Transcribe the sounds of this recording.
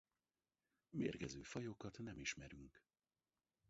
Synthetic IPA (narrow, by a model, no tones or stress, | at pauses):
meːrɡɛzøːfɒjo̞kɒt̪nɛmiʃmɛɾyŋk